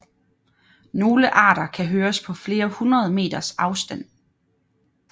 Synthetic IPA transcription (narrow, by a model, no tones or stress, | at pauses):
no̝ːləʔɑ̰̈ːɾ̥ɐkʰæɦøːɐspʰɒ̽fle̝ːɐhunʁɐð̞̩ˠme̝̰ːd̥ɐsɑ̈ʊsd̥æn̰